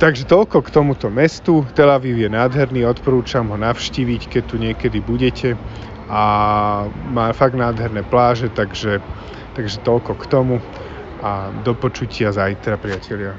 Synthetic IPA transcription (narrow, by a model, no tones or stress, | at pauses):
t̪aɡʒɛt̪ɔlkɔkt̪ɔmut̪ɔmɛst̪ut̪ɛlaʋiːʊjɛnaːd̪ɦɛɾniːɔt̪pɔɾuːt͡ʃamɦɔnaʊʃciːʋickɛc̚t̪ːuɲɪɛkɛd̪ibuɟɛcʰɛ | ʔa | maːfaɡnaːd̪ɦɛɾnɛːplaːʒɛt̪aɡʒɛ | t̪aɡʒɛt̪ɔlkɔkt̪ɔmu | ʔad̪ɔpɔt͡ʃucɪazajt̪ɾapɾɪacʰɛʎɪa